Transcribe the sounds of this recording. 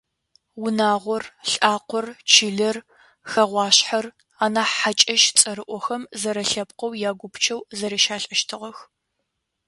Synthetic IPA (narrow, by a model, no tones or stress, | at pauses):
wʊnaːʁʷɔrɬʼaːqʷɔrt͡ʃʰɪɮɐr | xɐʁʷɑːɕħaɐr | aːnaːħat͡ʃʼɐʃt͡sʼɐɾɨʔʷɔxɐmzɐɾɐɬɐp̚qɐwjaːɡʷʊpt͡ʃʰɐwzɐɾiʃaːɬʼɐʃtʰɨʁɐx